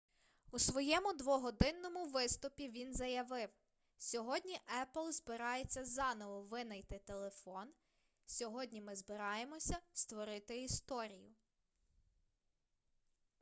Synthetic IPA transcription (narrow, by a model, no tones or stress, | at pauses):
usʋɔjɛmʊd̪ʋɔɦɔd̪ɪnːɔmʊʋɪst̪ʊpʲiʋʲinzɐjɐʋɪw | sʲɔɦɔdʲnʲiʔɛplˠzbɪɾɑjet͡sʲːɐzɑnɔʋɔʋɪnɐjt̪ɪt̪elˠe̞fɔn | sʲɔɦɔdʲnʲimɪzbɪɾɑjemɔsʲɐst̪ʋɔɾɪt̪ɪist̪ɔɾʲijʊ